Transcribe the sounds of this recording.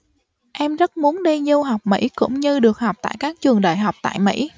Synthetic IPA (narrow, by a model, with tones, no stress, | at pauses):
ʔɛ˧mzə˦˥t̚mu˨˦ənɗi˧ɲi˧wɦa˨˩wk͡p̚mḭ˧˥kʊ̰˧˥ŋ͡mɲɨ˧ɗɨ˨˩ək̚ha˨˩wk͡p̚t̪a̰ː˧˨jkaː˦˥k̚t͡ɕɨ˨˩əŋɗa̰ː˧˨jɦa˨˩wk͡p̚t̪a̰ː˧˨jmḭ˧˥